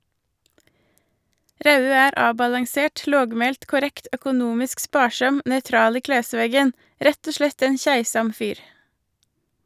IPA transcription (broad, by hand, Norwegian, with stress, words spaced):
ˈɾɑʉøː ˈæːɾ ˈɑːbɑlɑŋˌseːʈ ˈloːɡˌmeːlt kʊˈɾɛkt œkʊˈnuːmɪsk ˈspɑːˌʃɑm nœʏˈtɾɑːl ˈiː ˈkleːˌsʋeːɡən ˈɾɛt ˈoː ˈʃlɛt ˈæɪn ˈçæɪsɑm ˈfyːɾ